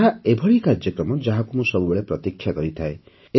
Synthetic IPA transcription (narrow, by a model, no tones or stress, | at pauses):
ɦaebʱɔɭikaɾd͡ʒjɔkɾɔmɔd͡ʒaɦakumusɔbubeɭepɾɔt̪ikʰːjakɔɾit̪ʰae | e